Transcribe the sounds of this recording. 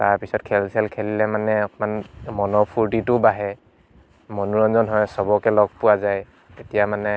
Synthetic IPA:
taɹpisɔtkʰɛlsɛlkʰɛlilɛmanɛɔkmanmɔnɔpʰuɹtitʊbaɦɛ | mɔnuɹɔnzɔnɦɔjsɔbɔkɛlɔɡ̚puwazaj | etijamanɛ

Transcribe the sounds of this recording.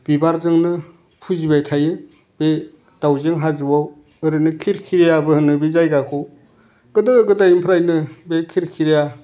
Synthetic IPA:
b̥ibaɾzɯŋnɯ | pʰuzibajtʰajɯ | b̥e | d̥awzeŋɦazɯwaw | ɯɾɯnɯkʰiɾkʰiɾijabɯhɯnɯbizajɡakʰow | ɡ̥ɯdɯɡɯɡɯdajimpʰɾajnɯbekʰiɾkʰiɾija

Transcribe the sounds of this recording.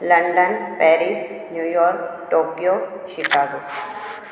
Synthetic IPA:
lɐ̃ɳɖənpɛːɾisnjuːjɔːɾkʈoːkijoːkʃɪkaːɡoː

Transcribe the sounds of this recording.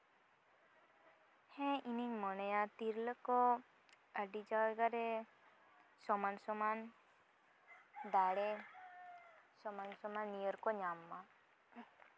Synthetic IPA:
hɛ̃iniɲmɔnəjat̪iɾləkɔ | əɖid͡ʒawɡaɾɛ | sɔmansɔman | d̪aɽɛ | sɔmansɔmanːijəɾkɔɲamːa

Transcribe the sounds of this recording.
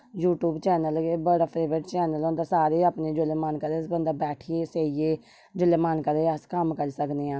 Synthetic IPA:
juːʈjuːbt͡ʃɛːnəlɡeːbəɽaːpʰɾeːʋɾəʈt͡ʃɛːnəlond̪aːsaːɾeːapneːd͡ʒʊleːmaːnkəɾeːsbənd̪aːbɛːʈʰieːseːieː | d͡ʒʊleːmaːnkəɾeːəskəmkəɾiːsəkneːãː

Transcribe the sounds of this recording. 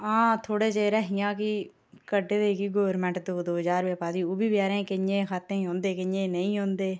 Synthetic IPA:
ãːt̪ʰoːɽeːt͡ʃeːɾəɦɪjãːki | kəɖed̪eːkiːɡoːʋɾmɛ̃ːɳʈd̪oːd̪oːɦd͡ʒaːɾʋeːpaːd̪iːoːbiːbjaːɾẽːkɪɲjẽːkʰaːt̪ːẽːɦõːnd̪eːkɪjẽːnəĩːɦõːnd̪eː

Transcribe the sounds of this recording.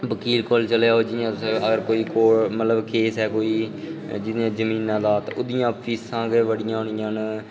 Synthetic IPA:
ʋəkiːlkoːlt͡ʃəljaːɦoːd͡ʒɪjãːsəɡəɾkoːiːkoːɾmət̪ləbkeːsɛːkoːiːd͡ʒɪd̪ijãːd͡ʒəmĩːnãːd̪aːt̪ã̰ʊd̪ɪjãːpʰiːsãːɡeʋəɽɪjãːɦʊɳɪjãːn

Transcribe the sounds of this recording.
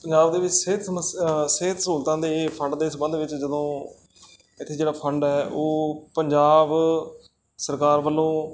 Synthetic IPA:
pəɲd͡ʒaːbd̪eːʋɪt͡ʃseːt̪sməsseːt̪suːlt̪ãːd̪eːpʰə̃ɳɖd̪eːsbənd̪ʋɪt͡ʃd͡ʒəd̪õː | ɪt̪ʰːeːd͡ʒeːɽaːpʰəɳɖɛːoːpəɲd͡ʒaːb | səɾkaːɾʋəlːõː

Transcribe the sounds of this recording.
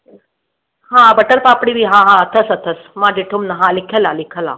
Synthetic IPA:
hãbəʈəlpaːpɽibiɦãɦãət̪ʰəsət̪ʰəsmãd͡ʒeʈʰumnəɦãlikʰelalikʰəla̰

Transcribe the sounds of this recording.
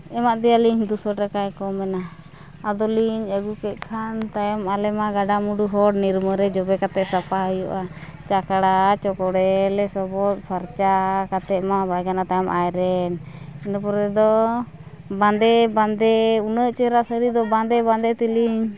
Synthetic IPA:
ɛmaʔd̪ɛaliɲd̪usɔʈakajkɔmɛnaː | d̪ɔliɲəɡukɛt̪̚ˀkʰant̪ajɔmalɛmaɡaɖamuɖuɦɔɽniɾməɾɛd͡ʒɔbɛkat̪ɛʔsapaɦəjɔ̰ʔat͡ʃakaɽat͡ʃɔkɔɽɛlɛsɔbɔt̪̚ˀpʰaɾt͡ʃakat̪ɛʔmabajɡanat̪ajɔmʔajɾɛnɛnapɔɾɛd̪ɔ | band̪ɛband̪ɛunəʔt͡ʃɛɾaʔsəɾid̪ɔband̪ɛband̪ɛt̪iliɲ

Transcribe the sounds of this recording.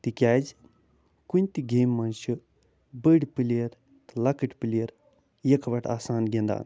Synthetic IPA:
t̪ikʲaːd͡ʒ | kunʲt̪iɡeːmːɐnʃɨ | bəɽpiliɐɾ | t̪lɐkɨʈpiliɐɾ | jɐkɐʋɐʈa̰ːsaːnɡʲend̪a̰n

